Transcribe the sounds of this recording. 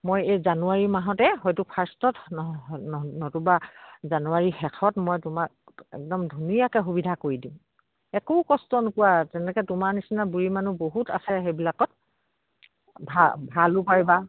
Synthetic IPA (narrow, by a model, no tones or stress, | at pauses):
mojejzanuaɹimaɦɔtɛɦɔjtupʰaɹstɔtnnɔtubazanuaɹixɛkʰɔtmɔjtʊmak̚ | ɛ̰k̚dɔmdʱunijakɛxubidʱakoɹidim | ɛkokɔstɔnʊkʊwatɛnɛkɛtʊmanisinabuɹimanuboɦuta̰sɛxejbilakɔt̚ | bʱabʱalʊpaɹiba